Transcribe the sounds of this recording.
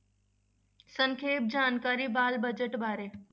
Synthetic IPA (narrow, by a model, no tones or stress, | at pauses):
sə̃ŋkʰeːp̚d͡ʑaːnkaːɾibaːlbɐd͡ʑəʈbʱaːɾeː